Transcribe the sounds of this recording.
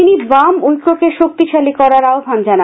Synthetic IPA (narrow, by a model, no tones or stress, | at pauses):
inibamujkɾokeʃok̚t̪iʃʰalikɔɾaɾaobʱand͡ʑana